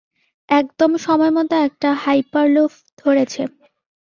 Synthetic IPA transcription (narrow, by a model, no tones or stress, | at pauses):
ɛk̚d̪omʃɔmɔemɔt̪oɛk̚ʈahajpaɾlof | d̪ʱoɾet͡ɕʰe